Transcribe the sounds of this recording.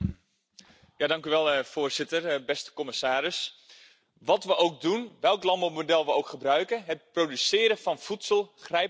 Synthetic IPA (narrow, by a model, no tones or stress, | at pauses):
jaːdɑŋkyʋɛlˠfʊːrzɪtəɹbɛstə̥kɔməsaːɾɪs | ʋɑtʋəʔowk̚dunʋɛlˠklɑmbomodɛlˠʋəowkχəbrœɥkəɦət̚prodysɪːɾəfɑnfutsəlˠχrɛj